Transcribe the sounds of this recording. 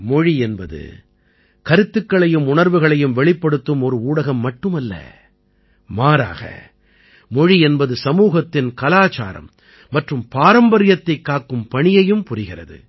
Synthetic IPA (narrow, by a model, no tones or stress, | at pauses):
mɔɻiɛnbɐðɯ̰ | kɐɾɯt̪ːɯkːɐɭɐjɯmʊɳɐɾʋɯɣɐɭɐjɯmʋɛɭɪpːɐɽɯt̪ːɯmɔɾɯuːɽɐɣɐmːɐʈːɯmɐlːɐ̰ | maːɾa̰ːɣɐ̰ | mɔɻiɛnbɐðɯsɐmuːɣɐt̪ːɪnkɐlaːt͡ʃa̰ːɾɐ̰mː | ɐʈrɯmpaːɾɐmbɐɾɪjɐt̪ːɐɪkːaːkɯmpɐɳɪjɐjɯmpʊɾɪɣɪrɐ̰ðɯ̰